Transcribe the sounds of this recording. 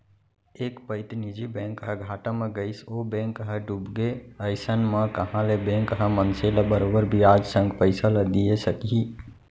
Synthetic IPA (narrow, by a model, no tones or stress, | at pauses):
ekpəɪt̪nid͡ʒibɛ̃ŋkɦəɡʱaʈameɡəɪsobɛ̃ŋkɦəɖubɡeəɪsənmekəɦãlebɛ̃ŋkɦəmənseləbəɾobəɾbʱiad͡ʒsə̃ŋɡpəɪsəld̪ijesəki